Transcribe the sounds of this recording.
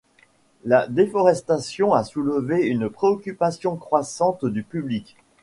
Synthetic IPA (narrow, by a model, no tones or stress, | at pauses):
lad̪efɔʁɛst̪asjɔ̃asuləveynpχeɔkʲypasjɔ̃kχwasɑ̃t̪d̪ypyblikʲ